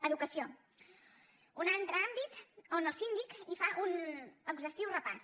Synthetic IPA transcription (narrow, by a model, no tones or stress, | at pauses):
əðukəsio | unant̪ɾəambit̪onəlˠsind̪ikifaʔunəɡʒəst̪iwrəpas